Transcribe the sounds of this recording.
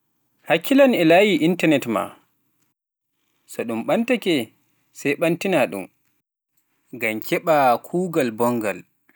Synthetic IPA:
hakːilanɛlajiʔintanɛtma̰ | sɔɗumɓantakɛ | sajɓantinaɗṵm | ɡamkʰɛɓakʰuːɡalbɔŋɡal

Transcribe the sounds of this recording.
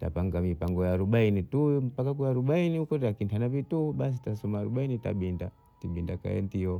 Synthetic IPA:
ta̰paŋɡamipaŋɡɔjaːɾuɓainitum̩pakakuaɾuɓainihukɔtakintanavituɓas̬itasɔmaːɾuɓainita̰ɓinda | tiɓindaka̰ɛ̰ntiɔ

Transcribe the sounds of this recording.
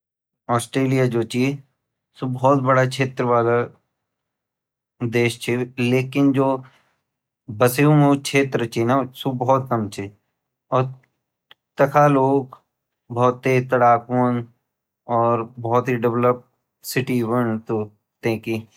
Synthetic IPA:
ɔːsʈɾeːlijad͡ʒoːt͡ʃi | sʊbɔːt̪̚bɐɽakʃʰeːt̪ɾəʋaːla | d̪eːʃt͡ʃʰileːkɪnd͡ʒoː | bɐsejũmõkʃʰeːt̪ɾət͡ʃʰinasubɔt̪̚kɐmt͡ʃʰi | ɔːɾ | t̪ɐkʰaloːɡ | bɔːt̪ːet̪ɐɽaːkoːn | ɔːɾbɔːt̪ɦiɖɪʋləp̚ | sɪʈibənt̪oː | t̪ẽːki

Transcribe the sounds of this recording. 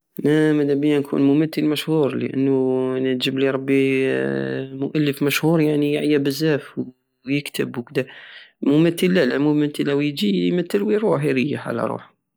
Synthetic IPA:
mæmæd̪æbəjænkʰṵːnmʊmæt̪ːəlmæʃhuːɾlə̰ʔə̰nːʊnət̪ʒəbliɾˤɑbːi | mʊʔælːəfmæʃhuːɾˤjaʕnijaʕjabəzːæfw | jəkt̪əbwkd̪æmʊmæt̪ːəlːælæmʊmæt̪ːəlæwjd͡ʒimæt̪ːəlwiɾˤuːħɾijaħʕa̰læ̰ɾˤṵːħ

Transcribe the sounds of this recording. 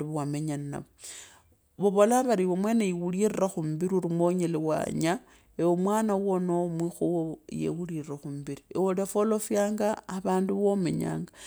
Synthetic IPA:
uβuwameɲanna̰βo | βoβo̞laβaɾiβomwe̞neiwuliriraxumubiɾiuɾimwoɲelewa̰ɲa | ewomwaːnawonomwixuwojḛwuliriraxumbiɾiewodefolo̞fjaːŋɡaːβaːnduβome̞̰ɲa̰ːŋɡa

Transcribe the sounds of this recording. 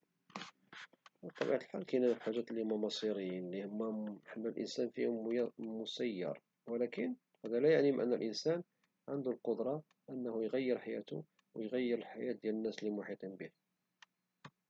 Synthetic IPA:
ət̪ˤːɑbḭʕt̪əlħalkænænəfħaʒːæt̪lihʊmːæmɑsˤiɾinlihʊmːæħamːælʔə̰nsænfihʊmmʊsæjːɑ̰ɾˤ | wəlækən | hæd̪ælæjaʕnimʔə̰nːəlʔənsæn | ʕənd̪ulqod̪ɾˤɑ | ʔənːæhujɣæjːəɾħajæ̰t̪ʊ̰ | wəjɣæjːəɾəlħajæt̪̚d̪jælənːæslimʊħit̪ˤinbih

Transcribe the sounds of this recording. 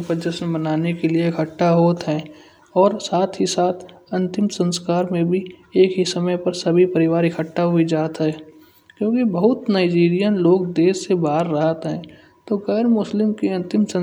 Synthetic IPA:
pəd͡ʒəsənbənaːnekelieɪkʰəʈːaɦoːt̪ɦɛː | ɔːɾsaːt̪ʰɦisaːt̪ʰɐ̃nt̪ɪmsə̃nskaːɾmẽbʱieːkɦisɐməjpɐɾsɐbʱipɐɾɪʋaːɾɪkʰəʈːaɦʊid͡ʒaːt̪ɦɛː | kjõːkibəɦʊt̪naːɪd͡ʒiːɾijənloːɡd̪eːsːebaːɾːɐɦət̪ɦɛ̃ː | t̪oɣɛːɾmʊslɪmkeɐ̃nt̪ɪmsə̃

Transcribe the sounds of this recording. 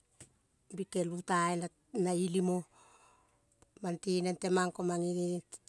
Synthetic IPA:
bikelutaena | nailimo | mantinentemaŋkomaŋiɾi

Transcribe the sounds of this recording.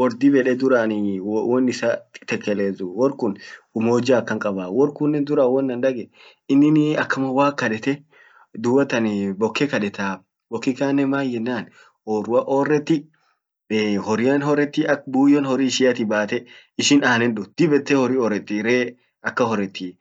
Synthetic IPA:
wɔɾd̪ibɛᶑɛd̪ʊɾaːnɪwɔnːɪsat̪ɛkːɛleːzʊwɔɾkʊnʊmoːd͡ʒakːɐŋkʼɐbawɔɾkʊnːɛnd̪ʊɾawɔnːɐnd̪ɐɡɛ | ɪnːɪnɐkːɐmɐwaːkːɐᶑɛt̪ɛ | d̪ʊwɐt̪ɐnbɔkʰːɛkɐᶑɛt̪aː | bɔkːɪkaːnːɛmaːjjɛnːaːn | oːrʊɐʔoːrːɛt̪ːɪ | hɔɾɪɐnhɔɾːɛt̪ːɪʔɐkbuːjːɔnhɔɾiʃɪjɐt̪ɪbaːt̪ɛ | ɪʃɪnaːnɛnd̪ʊd̪̥ɪbɛt̪ːɛhɔɾiɔːɾːɛt̪ːɪɾeː | ɐkːɐhɔɾːɛt̪ːi

